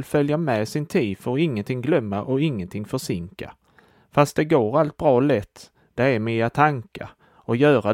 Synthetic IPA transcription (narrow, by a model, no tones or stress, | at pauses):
lfœljamɛsɪnt̪ʰiːd̪fɔɾɪŋːənt̪ʰɪŋɡlœmːaʔɔɪŋːənt̪ʰɪŋfœʂɪŋka̰ | fast̪̚d̪ɛɡoːɾalt̪̚bɾɑːlɛt̪ː | d̪̥ɛæɾmiːat̪ʰaŋka̰ | ɔjœːɾa